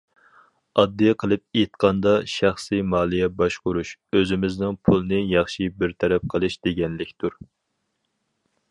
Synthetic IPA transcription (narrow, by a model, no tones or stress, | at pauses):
ɑd̪ːijɛqʰəlˠɨp̚et̪̚qɑnd̪ɑʃæχsɨmɑːlˠijɛbɑʃqʊɾuʃøzɪmɪznɨŋpʰulˠɨnɨjɑχʃibɪɾt̪ʰɛɾɛp̚qʰəlˠɨʃd̪eɡʲɛnlɪkʲt̪uɾ